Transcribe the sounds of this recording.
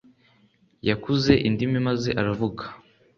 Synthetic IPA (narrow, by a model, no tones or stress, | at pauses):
jakuze̞ʔindimimazeʔaɾavuɡḁ